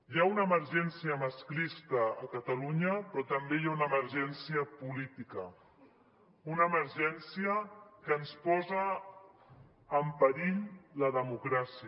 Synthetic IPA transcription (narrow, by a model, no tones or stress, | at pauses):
jaunəːməɾʒɛnsiəməsklist̪əːkət̪əluɲəpɾɔt̪əmbejaunəːməɾʒɛnsiəpulit̪ikə | unəːməɾʒɛnsiəkəːnspɔzə | mpəɾiʎləðəmukɾasi